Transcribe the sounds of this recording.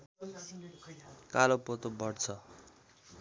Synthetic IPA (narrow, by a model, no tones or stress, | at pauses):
kalopot̪obʱʌɽt͡sʰʌ